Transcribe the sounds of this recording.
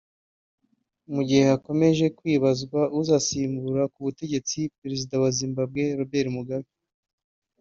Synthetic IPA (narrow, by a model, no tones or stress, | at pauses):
muɟihe̞hako̞me̞ʒe̞kwiːβazɡwaʔuzasiːmbuɾakuβute̞ɟe̞t͡sipeɾe̞zidawazimbabɡe̞ɾo̞be̞ɾimuɡaβi